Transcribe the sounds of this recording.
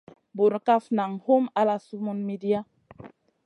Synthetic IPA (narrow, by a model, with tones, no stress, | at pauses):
bo˨ɾka˦fna˨ŋho˦ma˦la˦su˦mu˦nmi˦di˦a˦